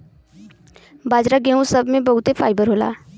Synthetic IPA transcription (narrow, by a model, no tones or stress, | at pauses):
baːd͡ʒɾaɡeːɦũsɐbʱmẽbɐɦʊt̪epʰaːɪbəɾɦoːla̰ː